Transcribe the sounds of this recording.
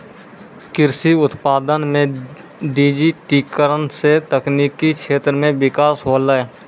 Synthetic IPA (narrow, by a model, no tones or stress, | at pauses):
kɪɾsiʊt̪paːd̪ənmẽ | ɖiːd͡ʒiʈiːkːəɾənset̪əkniːkːikʃʰeːt̪ɾəmẽbɪkaːsɦoːlae